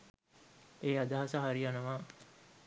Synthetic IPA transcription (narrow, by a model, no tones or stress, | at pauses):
eːad̪aɦasəɦaɾianəʋaː